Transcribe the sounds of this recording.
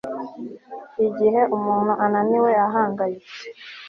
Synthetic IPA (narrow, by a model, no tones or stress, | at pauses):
iɟiɦe̞ʔumuːnhuʔananiwejaɦaːŋɡajit͡se̥